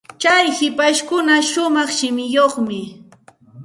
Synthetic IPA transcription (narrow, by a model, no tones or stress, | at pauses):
t͡ʃajhɪpaʃkʊnaʃʊmɑχʃɪmɪjoχmɪ